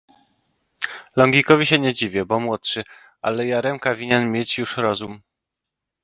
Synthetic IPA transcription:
lɔŋɡʲikɔvʲiɕɛɲɛd͡ʑivʲjɛbɔmwɔtʂɘ | a̰lɛjaɾɛmkavʲiɲɛnmʲjet͡ɕjuʂɾɔzum

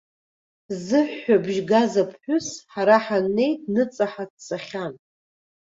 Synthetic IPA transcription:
zɨħːabʒɡazapʰħʷᶣʊsħaɾaħanːe̞jtʼnɨt͡sʼaħadsaχʲan

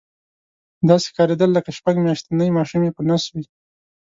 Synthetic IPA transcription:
d̪ɑse̥xkɑɾed̪əlːəkaʃpaɡmjɑʃt̪anəjmɑʃumjepənɑswi

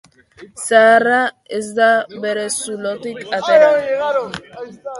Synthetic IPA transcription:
sara | ezd̪abeɾesulot̪ikat̪eɾaɾ

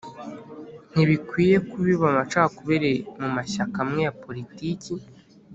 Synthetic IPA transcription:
n̥iβikwiːje̞kuβiβamat͡ʃakakuβeɾemumaʃakamŋe̞japo̞ɾitici

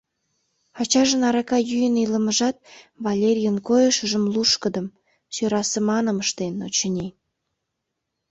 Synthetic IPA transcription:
ɑt͡ɕɑʒə̆nɑɾɑkɑjyjənilə̆məʒɑt̪̚βɑlʲerʲijənkojəʃəʒəmluʃkəd̪ə̆m | søɾɑsəmɑnəməʃt̪enot͡ɕənʲe

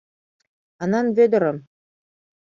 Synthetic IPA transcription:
ɑnɑnvʲed̪ɤ̆ɾɤ̆m

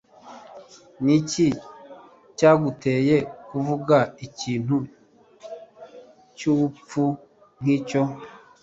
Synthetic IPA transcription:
nici | caɡuteːjekuvuɡaiciːn̥hu | cup͡fu | ŋ̥ico

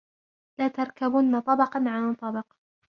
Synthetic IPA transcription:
laːt̪ɑɾˤkabʊnːat̪ˤɑbɑqɑnʕant̪ˤːɑbɑq

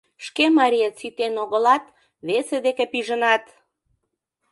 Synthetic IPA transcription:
ʃkemɑɾʲijet͡sit̪enoɣəlɑt̪ | βesed̪ekepiʒənɑt̪

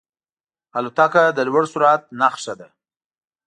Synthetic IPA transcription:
alut̪akad̪əlwaɽsuɾat̪̚naχʂad̪a

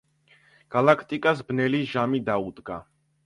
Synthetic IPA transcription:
ɡ̥alakʰt̪ʼikʼasbnɛliʒamid̪aud̪ɡa

